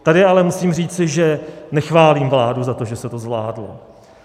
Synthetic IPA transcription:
t̪adɪalɛmusiːmr̝iːt͡sɪʒɛnɛxvaːliːmvlaːduzat̪o̞ʒɛsɛt̪o̞zvla̰ːdlo̰

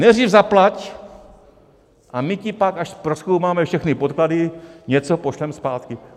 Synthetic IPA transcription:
nɛdriːvzaplac | ʔamɪcɪpakaʃpɾoskowmaːmɛfʃɛxnɪpot̪kladɪɲɛt͡sopo̞ʃlɛmspaːt̪kɪ

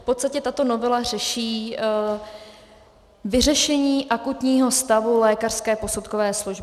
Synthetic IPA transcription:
fpot̪st̪acɛt̪at̪o̞no̞vɛlar̝ɛʃiː | vɪr̝ɛʃɛɲiːʔakut̪ɲiːɦo̞st̪avulɛːkar̥skɛːpo̞sut̪kovɛːsluʒbɪ

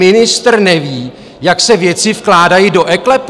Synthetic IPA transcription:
ɪnɪst̪rnɛviː | jaksɛvjɛt͡sɪfklaːdajido̞ʔɛklɛp

